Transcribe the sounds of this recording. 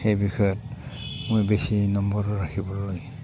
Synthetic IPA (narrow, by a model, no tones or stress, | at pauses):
xejbixɔjɔt̚mojbesinɔmbɔɹɔɹakʰibɔloj